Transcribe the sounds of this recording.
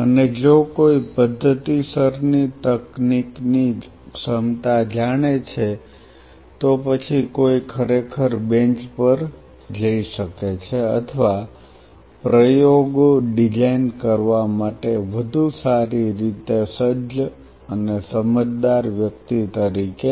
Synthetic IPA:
əned͡ʒokoipəd̪ʱːət̪isəɾnit̪əknikni | səmt̪ad͡ʒaɽ̃et͡ʃʰe | t̪opət͡ʃʰikoikʰəɾekʰəɾbẽɲt͡ʃpəɾ | d͡ʒəiʃəket͡ʃʰeə̰t̪ʰəʋa | pɾəjoɡoɖid͡ʒainkəɾʋamaʈeʋəd̪ʱusaɾiɾit̪esəd͡ʒd͡ʒ | ənesəməd͡ʒd̪aɾʋjək̚t̪it̪əɾike

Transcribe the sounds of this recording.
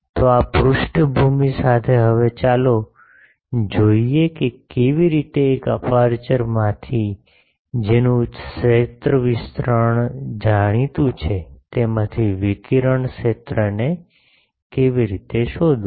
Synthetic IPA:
t̪oapɾʊʃʈəbʱumisat̪ʰeɦəʋet͡ʃalo | d͡ʒoiekekeʋiɾit̪eːkəpaɾt͡ʃəɾmãt̪ʰi | d͡ʒenũʃet̪ɾəʋɪst̪ɾəɳ̃d͡ʒaɽ̃it̪ũt͡ʃʰet̪emãt̪ʰiʋikiɾəɳʃet̪ɾəne | keʋiɾit̪eʃod̪ũ

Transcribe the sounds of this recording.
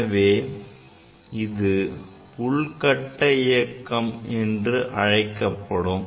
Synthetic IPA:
ɐʋeː | ɪðɯ | pʊɭkɐʈːɐɪjɐkːɐmɛndrɯʔɐɻɐɪkːɐpːɐɽɯm

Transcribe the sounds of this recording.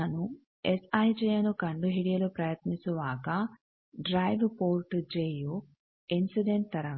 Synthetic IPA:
ɐnu | esɐjt͡ʃɛjɐnukɐɳɖuɦiɽijɐlupɾɐjɐt̪nisuʋaːka | ɖɾaːjʋpoːɾʈd͡ʒeːju | insiɖeɳʈ̚t̪ɐɾɐ

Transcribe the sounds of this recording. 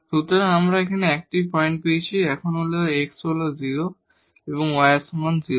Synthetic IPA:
ɾut̪ɔɾeamɾaekʰaneɛk̚ʈipɔjɳʈ̚pejt͡ɕʰiɛkʰɔnɦoleoeksoloziɾo | eβɔŋwajesmanziɾo

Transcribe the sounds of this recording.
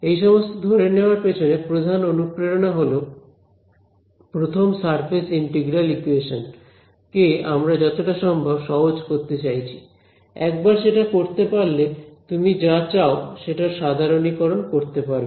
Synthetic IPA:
ejʃɔmost̪od̪ʱoɾeneoaɾpet͡ɕʰonepɾod̪ʱanonukɾeɾonaɦolo | pɾot̪ʰomsaɾpʰesiɳʈiɡɾalikueʃon | keamɾad͡ʑɔt̪oʈaʃɔmbʱabʃɔɦod͡ʑkoɾt̪et͡ɕajt͡ɕʰi̥ | ɛk̚baɾʃeʈakoɾt̪epaɾlet̪umid͡ʑat͡ɕaoʃeʈaɾʃad̪ʱaɾonikɔɾonkoɾt̪epaɾb

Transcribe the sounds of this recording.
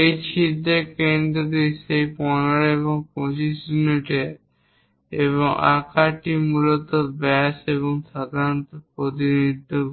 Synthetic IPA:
ejt͡ɕʰid̪ʱːekend̪ɾod̪isejpɔnaɾeβoŋkosisuniʈe | eβoŋa̰kʰaʈimulot̪obɛseβoŋʃad̪ʱaɾont̪opɾot̪inid̪ʱːo

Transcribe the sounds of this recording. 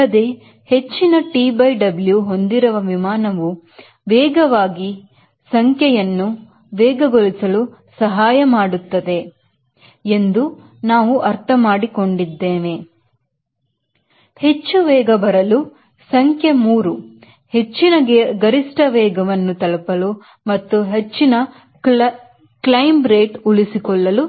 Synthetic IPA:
ɐd̪e̞ː | he̞t͡ʃːinɐʈiːbɐjɖɐbljuɦo̞nd̪iɾɐʋɐʋimaːnɐʋu | ʋɛːɡɐʋaːɡi | sɐŋkʰjɛjɐnːu | ʋɛːɡɐɡolisɐlusɐɦaːjɐmaːɽut̪ːɐd̪e̞ | end̪u | naːʋuʔɐɾt̪ʰɐmaːɽiko̞ɳɖid̪ːeːne | he̞t͡ʃːuʋɛːɡɐbɐɾɐlu | sɐŋkʰjemuːɾu | he̞t͡ʃːinɐɡɐɾisʈɐʋɛːɡɐʋɐnːut̪ɐlɐpɐlu | mɐt̪ːuɦe̞t͡ʃːinɐ | klɐjmbɾeːʈuɭisikɔɭːɐlu

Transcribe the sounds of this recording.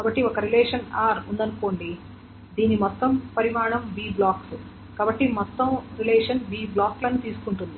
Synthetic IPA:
kaːbɐʈːiɔkɐɾilɛːʂɐnaːɾund̪ɐnuko̞ːɳɖi | d̪iːnimɔt̪ːɐmpɐɾimaːɳɐmbiːblaːksu | kaːbɐʈːimɔt̪ːɐmɾilɛːʂɐnbiːblaːklɐnut̪iːsu̥kuɳʈund̪i

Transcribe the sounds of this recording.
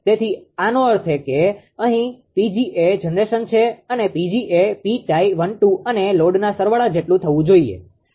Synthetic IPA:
t̪et̪ʰianoəɾt̪ʰeke | əɦĩpid͡ʒiʔed͡ʒənɾeʃənt͡ʃʰeənepid͡ʒiʔepit͡ʃaiʋəɳʈuʔəneloɖnasəɾʋəɭad͡ʒeʈlũt̪ʰəʋũd͡ʒoiḛ

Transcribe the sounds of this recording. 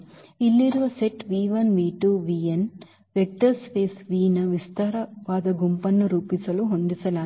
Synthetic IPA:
ilːiɾuʋɐseʈʋiːʋɐnʋiːʈuːʋiːen | ʋek̚ʈɐɾspeːsʋiːnɐʋist̪ɐɾɐʋaːd̪ɐɡumpɐnːuɾuːpisɐluɦond̪isɐlaː

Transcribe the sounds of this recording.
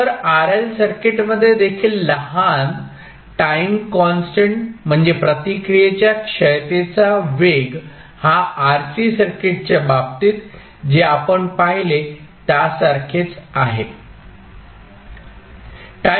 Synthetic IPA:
əɾaɾelsəɾkeʈməd̪ʱːjed̪ekʰiːlːəɦan | ʈajmkɔnsʈəɳʈm̤əɳd͡zepɾət̪ikɾijet͡ɕjakʂəjt̪et͡saʋeɡ | haːɾsisəɾkeʈ̚t͡ɕabab̚t̪iːt̪ | d͡ʑeapəɳpaɦilet̪jasaɾkʰet͡saɦe | ʈa

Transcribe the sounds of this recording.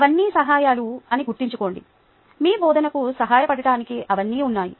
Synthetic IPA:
ɐʋɐnːiːsɐɦaːjaːluɐniɡuɾʈ̪ːiɲt͡ʃuko̞ːɳɖḭ | miːbɔːd̪ɐnɐkusɐɦaːjɐpɐɽɐɽaːnikiʔɐʋɐnːiːunːaːjḭ

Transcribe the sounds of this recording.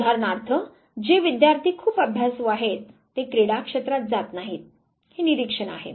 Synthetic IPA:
d̪ʱaɾnaɾt̪ʰə | d͡ʑeʋid̪jaɾt̪ʰiːkʰuːpəbʱjasʋaɦet̪ː | ekɾeɽakʂet̪ɾat̪̚d͡zat̪naɦiːt̪̚ | heniɾikʂəɽa̰ɦḛ

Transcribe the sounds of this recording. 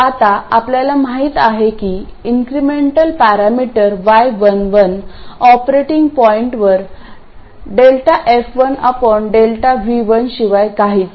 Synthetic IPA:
at̪aapljalamaɦiːt̪aɦekiiŋkɾimeɳʈəlpaɾamiʈəɾʋajʋənʋənɔpɾeʈiŋɡpɔiɳʈʋəɾ | ɖelʈaʔefʋənəpɔɳɖelʈaʋiʋənɕiʋajkaɦiːt̪

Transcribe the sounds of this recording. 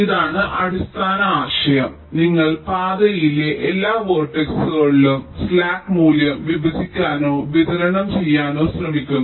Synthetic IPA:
iðaːɳɨʔɐɽist̪ʰaːnɐaːɕɐjɐm | niŋːɐɭpaːd̪ɐjileʔelːaːʋoːrʈːeksɨɣɐɭːumslaːkmuːljɐmʋibʱɐd͡ʑʱikʲːaːno̞ːʋit̪ɐɾɐɳɐmt͡ɕe̞jːaːno̞ːsrɐmikʲːunːɐ

